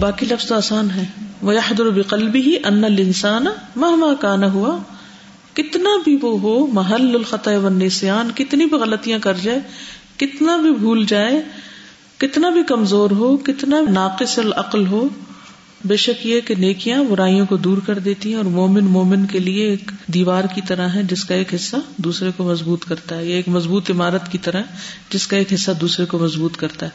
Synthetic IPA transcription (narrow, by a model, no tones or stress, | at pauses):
baːkilɐfz̥aːsaːnɦɛːʋɐjɐħd̪ʊɾbɪqɐlbɪɦiʔɐnːɐlɪnsaːnmɐɦmaːkaːnaɦʊa | kɪt̪nabʱiʋoɦoːmɐɦɐlːɐlxɐt̪ɐʋɐnːeːsɪjaːnkɪt̪nĩbʱiɣɐlət̪ijãkɐɾd͡ʒaːekɪt̪nabʱibʱuːld͡ʒaːe | kɪt̪nabʱikɐmzoːɾɦoːkɪt̪nabʱinaːqɪsɔlɐqlɦoː | beːʃɐkjeɦkeneːkijãbʊɾaːijõkod̪uːɾkɐɾd̪eːt̪iɦɛ̃ɔːɾmoːmɪnmoːmɪnkelieːkd̪iːʋaːɾkit̪ɐɾaɦɦɛ̃d͡ʒɪskaeːkɦɪsːad̪uːsɾekomɐzbuːt̪kɐɾt̪aɦɛjeeːkmɐzbuːt̪ɪmaːɾət̪kit̪ɐɾaɦɛd͡ʒɪskaeːkɦɪsːad̪uːsɾekomɐzbuːt̪kɐɾt̪aɦɛː